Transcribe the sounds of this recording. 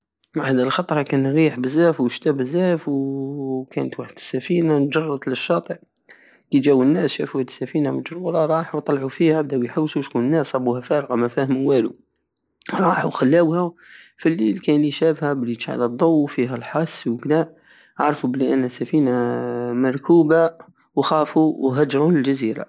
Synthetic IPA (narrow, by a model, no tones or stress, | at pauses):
mahæd̪ilxɑt̪ˤɾˤɑkænɾiħbəzːæfwəʃt̪æbəzːæfwkæ̰nt̪waħəd̪əsːæfinand͡ʒɑrˤːɑd̪ləʃːɑt̪ˤəʕ | kid͡ʒæwənːæsʃæfuhæd̪sːæfinaməd͡ʒɾuɾˤɑɾˤɑħuwt̪ˤɑlʕufihæb̚d̪æʔjħəwːsuʃkunənːæsˤɑbːuhæfæɾˤɣɑmæfæhəmwælṵ | ɾˤɑːħuxalːæwhæfilːilkæliʃæbhæbliʃʕa̰læd̪ˤːɑwːfiɦælħɑsːwəɡnæ | ʕaɾˤfubəliʔənːæsæfinamɑɾˤkuːba | wxæːfuwɦæd͡ʒɾˤuləld͡ʒaziɾa̰